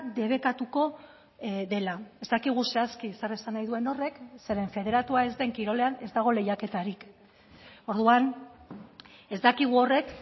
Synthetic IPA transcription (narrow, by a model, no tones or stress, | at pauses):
d̪e̞β̞e̞kat̪uko̞ | ðe̞lae̞zd̪akiɣ̞use̞askiesare̞sanːajðue̞no̞re̞kse̞ɾe̞ɱfe̞ð̞e̞ɾat̪uae̞zd̪e̞ŋkiɾo̞le̞ane̞zd̪aɣ̞o̞le̞jake̞t̪aɾik | o̞ɾðuan | e̞zd̪akiɣ̞uo̞re̞k